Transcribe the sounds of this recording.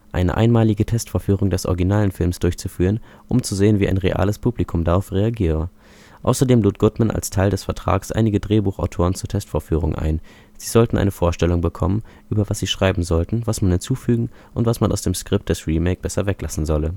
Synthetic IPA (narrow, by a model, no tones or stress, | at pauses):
ʔa̰ɪnə̰ʔa̰ɪnmaːlɪɡətʰɛstfoːɐfyːʁ̞ʊŋdɛsʔɔ̰ʁɡinaːlənfɪlmsd̥ʊɐçt͡sufyːʁən | ʔʊ̰mt͡suzeːənviːʔa̰ɪnʁeʔa̰ːləspʰuːblikʰʊmdaʁaʊfʁeaɡiːʁə | ʔa̰ʊsɐdeːmluːt̚ɡ̥ʊtmanʔa̰lstʰaɪldɛsfɛɐtʁ̥a̰ːksʔa̰ɪnɪɡədʁeːbuːχa̰ʊtʰoːʁ̞ənt͡suːɐtʰɛstfoːɐfyːʁʊŋʔa̰ɪn | z̥iːzɔltn̩ʔa̰ɪnəfoːɐʃtɛlʊŋbəkʰɔmənʔyːbɐvasz̥iːʃʁ̥aɪbm̩zɔltn̩vasmanhɪnt͡suːfyːɡŋ̩ʔʊntv̥asmanʔaʊsd̥eːmskʁ̥ɪp̚t̚d̥ɛsʁiːmɛk̚b̥ɛsɐvɛklasn̩zɔlə